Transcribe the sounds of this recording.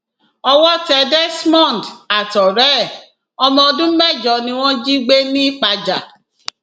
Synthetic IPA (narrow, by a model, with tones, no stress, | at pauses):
ɔ˧wɔ˦tɛ˧dɛ˦smɔ̃˦˨n˨da˨tɔ˨ɾɛ˦˨ | ɔ˧mɔ̃˧ɔ˧dũ˦mɛ˦˨d͡ʒɔ˨nĩ˧˦w̃ɔ̃˦d͡ʒi˦ɡ͡be˦nĩ˦˨k͡pa˧d͡ʒa˨